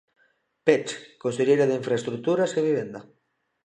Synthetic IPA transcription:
pet͡ʃkonseʎejɾaðeiɱfɾaest̪ɾuk̚t̪uɾaskeβiβ̞end̪a

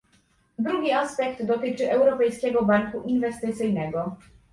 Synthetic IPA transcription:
d̪ɾuɡʲiaspɛkd̪ːɔt̪ɘt͡ʂɘʔɛwɾɔpɛjskʲɛɡɔbaŋkuʔinvɛst̪ɘt̪sɘjnɛɡɔ

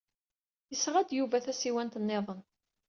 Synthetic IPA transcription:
jəsʁæd̪juvæθæsiwænt̪ənːeðˤən

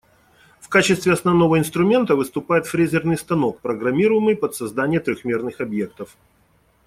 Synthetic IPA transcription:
fkat͡ɕɪst̪vʲɪɐsnɐvn̪o̞vəɪnst̪ɾʊmʲe̞nt̪əvɨst̪ʊpajɪt̪fɾʲezʲɪrnɨjst̪ɐnok̚pɾəɡɾɐmʲiɾʊjɪmɨjpət̪sɐzd̪anʲɪjət̪ɾʲoxmʲe̞rnɨxɐbje̞k̚t̪əf

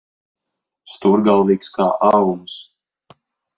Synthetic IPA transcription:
st̪uɾɡalˠviːkskaːʔavums

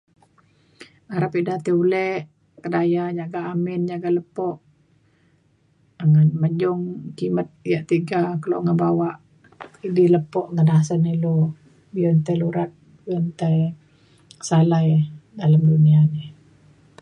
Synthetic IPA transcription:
aɾapidaht̪iulɛʔ | kədajad͡ʒaɡaʔːmɪnd͡ʒaɡaləpɔʔ | ŋənməd͡ʒʊŋkimət̪̚jaʔt̪iɡakəlo̰ʔŋəbawaʔ | idiləpɔʔɡənasənilu | biɔnt̪ajluɾat̪̚ | biɔnt̪aj | salajdalamduniani

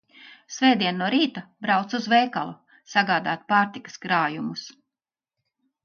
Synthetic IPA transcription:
svɛːd̪iɛnːuɔɾiːt̪abɾawt̪suzvɛːkalˠu | saɡaːd̪aːt̪̚paːɾt̪ikɐ̥skɾaːjumus

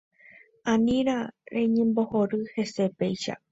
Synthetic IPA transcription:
ãnĩɾaɾe̞ɲẽmbo̞ho̞ɾɨhe̞se̞pe̞jʃa̰

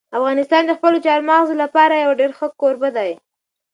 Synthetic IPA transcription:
afɣɑnɪst̪ɑnd̪əxpəlot͡ʃɑɾmɑɣzolapɑɾajawaɖeɾxəkoɾbəd̪aj

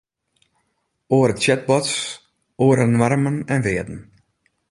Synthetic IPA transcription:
oəɾətsɛd̚bɔts | oəɾənwarmənɛnʋɪədn̩

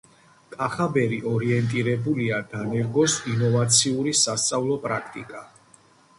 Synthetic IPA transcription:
kʼaχabɛɾiʔɔɾiɛnt̪ʼiɾɛbuliad̪anɛɾɡɔsinɔvat̪sʰiuɾisast̪sʼavlˠɔpʼɾakʰt̪ʼikʼa

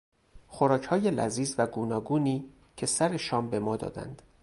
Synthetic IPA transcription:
xoɾɒːcʰhɒːje̞læ̰ziːzvæɡuːnɒːɡuːniː | cʰe̞sæɾe̞ʃɒːmbe̞mɒːd̪ɒ̰ːd̪æ̰nd̪̥

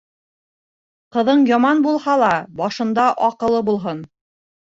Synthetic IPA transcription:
qɤ̆ðɤɴjɑmɑnbulˠhɑlˠɑbɒʃɤ̆nd̪ɑʔɒqɤ̆lˠɤbulˠɦon

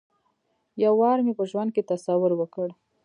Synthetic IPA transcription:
jawːɑɾmepəʒwand̪̚ket̪asawʊɾwəkəɽ

